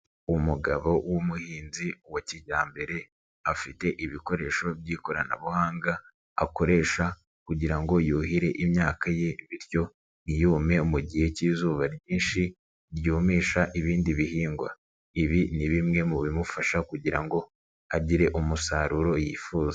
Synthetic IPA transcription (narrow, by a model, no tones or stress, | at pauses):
umuɡaβo̞wumuhiːnziwaciɟaːmbe̞ɾe̞ | afite̞ʔiβiko̞ɾe̞ʃo̞bjiːkoɾana̰βuhaːŋɡa | a̰ko̞ɾe̞ːʃa | kuɟiɾaŋɡo̞juːhiɾe̞ʔimɲaːkaje̞βiɾjo̞ | nijuːme̞umuɟihe̞ciːzuːβaɾjiːnʃi | ɾɟuːmiːʃaʔiβiːndiβihiːŋɡwa̰ | iβiniβimŋe̞muβimufaʃakuɟiɾaŋɡo̞ | aɟiɾe̞ʔumusaːɾuɾo̞jiːfuːza